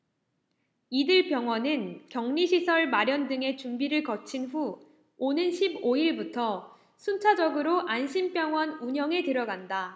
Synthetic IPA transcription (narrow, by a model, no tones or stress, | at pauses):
idɯɭpjʌŋɦwʌnɯnkjʌŋɲiɕʰisʰʌɭmaɾjʌndɯŋe̞t͡ɕumbiɾɯɭkʌt͡ɕʰinɸu | onɯnɕʰiboiɭbutʰʌ | sʰunt͡ɕʰad͡ʑʌɡɯɾoʔanɕʰimp͈jʌŋɦwʌnuɲʌŋe̞tɯɾʌɡanda